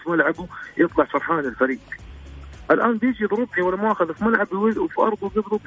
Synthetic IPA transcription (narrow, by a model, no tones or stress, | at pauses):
fimalʕabujɨt̪ˤlɑʕfɑɾˤħaːnɪlfaɾiːɡ | ʔalʔaːnbjɪd͡ʒiðɾʊbʕiwalːamaʔaxaðafmalʕabwɪzwfiʔɑ̰ɾˤd̪ˤubjiðɾʊb